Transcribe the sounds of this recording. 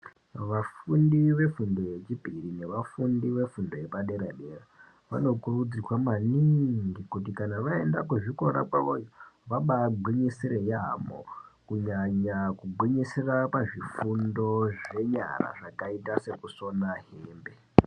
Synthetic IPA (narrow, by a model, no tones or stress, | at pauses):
ʋafundiʋe̞fundo̞je̞t͡ʃipirine̞ʋafundiʋe̞fundo̞jepaɗe̞ɾaɗe̞ra | ʋa̰no̞kurud͡zirwamaniŋɡikutikanaʋae̞ndakuʐiko̞ɾa̰kwa̰ʋojoʋaɓaːɡ͡bʱwiɲisiɾejamo̰kuɲaɲakuɡʱwiɲisirapaʐifundo̞ʐe̞ɲa̰ra̰ʐakaitase̞kuso̞naɦeːmbe̞